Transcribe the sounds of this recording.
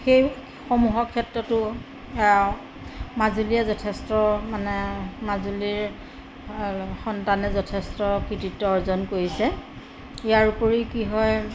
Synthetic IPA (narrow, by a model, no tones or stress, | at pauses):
xej | xomuɦɔkʰːɛtɹɔtʊ | mazulijazɔtʰestɔmanɛmazuliɹ | xɔntanɛzɔtʰɛstɔkɹititːɔɔɹzɔnkoɹisɛ | ijaɹupoɹikiɦɔj